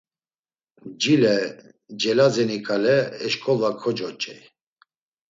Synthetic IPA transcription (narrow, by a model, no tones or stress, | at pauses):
d͡ʒilɛ | d͡ʒɛlazɛnikʼalɛːʃkʼɔlakʰɔd͡ʒɔt͡ʃʼɛj